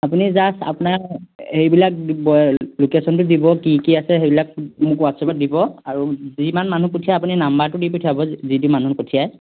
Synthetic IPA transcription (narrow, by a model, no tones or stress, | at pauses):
apunizasa̰pʊnahejbilak̚ibɔlukesɔntʊdibɔkikiasɛɦebilak̚mʊkwatsɔbɔdibɔaɹuzimanmanupotʰijajapuninambaɹtʊdipotʰijabɔzitʊmanupotʰijaj